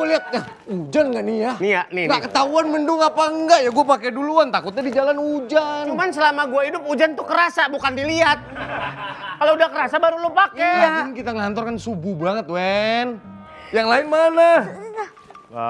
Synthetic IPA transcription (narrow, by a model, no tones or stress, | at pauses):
ɡliat̪̚ka | ud͡ʒanŋɡaʔnianiaʔniŋɡaʔkət̪auanməndʊŋapaəŋɡaʔjaɡuapakɛduluant̪akʊt̪̚ɲadid͡ʒalanud͡ʒanumansəlamaɡuaidʊp̚ud͡ʒant̪ukəɾasabukandiliat̪̚ | kaloudahkəɾasabaɾulopakejankit̪aŋəɦant̪ɔrkansububaŋət̪̚wɛn | jaŋlaɪnmana